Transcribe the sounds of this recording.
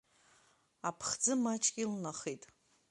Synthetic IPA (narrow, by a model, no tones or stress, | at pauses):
apʰχd͡zɨmat͡ʃʼɡʲʼilnaχitʼ